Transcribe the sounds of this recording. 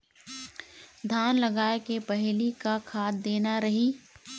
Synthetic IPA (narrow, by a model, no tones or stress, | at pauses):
d̪ʱaːnlɐɡaːekepɛɦlikakʰaːd̪ːeːnaɾɐɦiː